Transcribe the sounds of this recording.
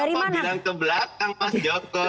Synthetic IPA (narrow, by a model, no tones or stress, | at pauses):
aɾimanalaŋkəbəlakaŋpasd͡ʒɔkɔ